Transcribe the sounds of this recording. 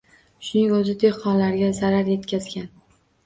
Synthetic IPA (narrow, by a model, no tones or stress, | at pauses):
ʃʊnɪŋɵzɪd̪e̞hqɒnlaɾɡʲazaɾaɾje̞t̪kʲʰazɡʲan